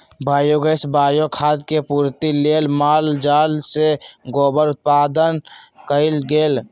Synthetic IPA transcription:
baːjoɡəsbaːjokʰaːd̪kepuːɾt̪ileːlmaːld͡ʒaːlseɡoːbəɾʊt̪̚paːd̪ənkəɪlɡeːl

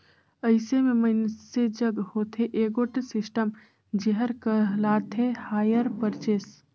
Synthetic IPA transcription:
əɪsememəɪnsed͡ʒəɡhot̪ʰeʔeɡoʈesisʈəm | d͡ʒeɦəɾkəɦlat̪ʰehaːjəɾpəɾt͡ʃes

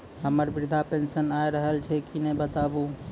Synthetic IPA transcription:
ɦəməɾbiɾd̪ʱapensənajɾəɦəlt͡ʃʰɛkinɛbət̪abu

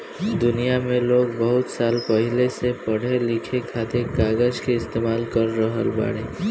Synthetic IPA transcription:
d̪ʊnijamẽloːɡbəɦʊt̪saːlpəɦɪlesepəɽ̤elɪkʰekʰaːt̪ekaːɡəd͡ʒkeɪst̪eːmaːlkəɾːəɦəlba̰ːɽeː

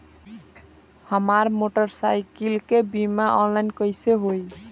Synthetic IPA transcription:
həmaɾmoʈəɾsajkilkebimaʔɔnlajnkəjseɦoj

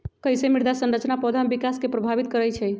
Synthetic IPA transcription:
kəjsemiɾd̪asənɾət͡ʃnapɔd̪ʱambikaskepɾəbʱabit̪̚kəɾɛjt͡ʃʰɛj

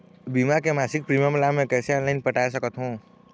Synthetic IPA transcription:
bimakemaːsɪk̚pɾiməmlamẽkɛːseaːnlaɪnpəʈaːs̬əkət̪ɦũː

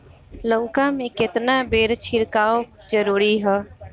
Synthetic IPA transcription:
loːkãmẽkɪt̪nabeːɾt͡ʃʰɪɾkaːo | d͡ʒəɾuːɾiɦɛː

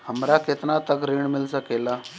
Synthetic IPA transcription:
həmɾaket̪nat̪əkɾiɳmɪlsəkela

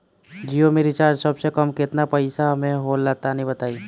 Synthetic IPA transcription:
d͡ʒijomẽɾɪt͡ʃaːɾd͡ʒsɐbsekɐmkɪt̪napɐɪsamẽɦoːlːaːt̪anɐɦĩbət̪aːi

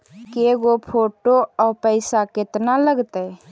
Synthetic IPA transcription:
keɡopʰoːʈoɔːɾpəɪsaket̪naləɡt̪ə

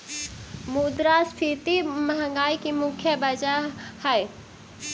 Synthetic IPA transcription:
muːd̪ɾaspʰiːt̪iməɦə̃ŋɡaːikimʊkʰjəbɐd͡ʒahɛe

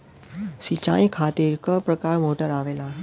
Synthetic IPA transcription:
sit͡ɕa̰ĩkʰat̪iːɾkəpɾəkaɾmoʈəɾaʋela

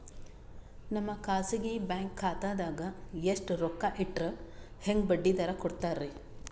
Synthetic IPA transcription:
nɐmːɐkaːsiɡebjaːŋkʰːaːt̪aːd̪aːɡɐeʂʈɾɔkːaʔiʈːɾe | heŋɡbɐɖːid̪ɐɾɐkɔɽt̪aːɾe

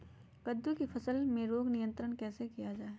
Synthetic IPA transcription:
kəd̪ʱːukifʰɐsəlmẽɾoːɡnijə̃nt̪ɾənkɛːsekijad͡ʒaːe

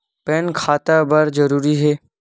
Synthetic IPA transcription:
pɛnkʰat̪abəɾd͡ʒəɾuːɾiɦeː

